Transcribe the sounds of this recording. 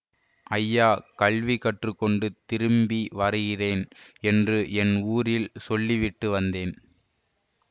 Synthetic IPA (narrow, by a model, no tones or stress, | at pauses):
ʔɐjːaːkɐɭʋikːɐʈrɯkːɔɳɖɯt̪ɪɾɯmbiʋɐrɯɣɪreːnɛndrɯʔɛnuːɾɪlsɔlːiʋɪʈːɯʋɐnd̪eːn